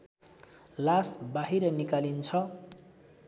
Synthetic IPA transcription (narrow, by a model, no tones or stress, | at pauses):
lasbaɦiɾʌnikalint͡sʰʌ